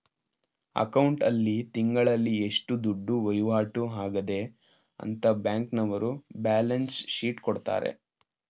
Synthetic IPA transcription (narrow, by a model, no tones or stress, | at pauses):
ɐ̰kɐwɳʈɐlːit̪iŋɡɐɭɐlːieʂʈud̪uɖːuʋɐjuʋaːʈuɦaːɡɐd̪e̞ | ɐ̰nt̪ɐbjaːŋknɐʋɐɾubaːlɐnsʃiːʈkɔɽt̪a̰ːɾḛ